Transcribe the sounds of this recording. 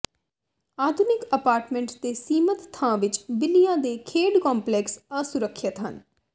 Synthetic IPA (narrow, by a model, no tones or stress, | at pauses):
aːd̪ʱʊnɪkəpaːɾʈmɛ̃ɳʈt̪eːsiːmət̪t̪ʰːãːʋɪt͡ʃbɪlijãːd̪eːkʰeːɖkɔ̃ːmplɛːksəsʊɾəkʰːət̪ɦə̰n